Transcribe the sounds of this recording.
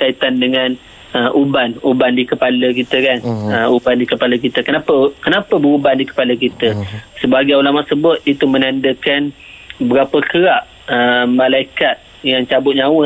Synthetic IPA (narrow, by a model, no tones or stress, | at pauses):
kait̪andəŋan | əʔubanubandikəpaləkit̪əkanəubandikəpalək̬it̪əkənapəkənapəbəɾubandikə̥paləkit̪əsəbaɡajulamaʔsəbʊt̪̚it̪umənandəkan | bəɾapəkəɾaʔ | əmãlaikat̪̚ | jaŋt͡ʃabʊt̪̚ɲawə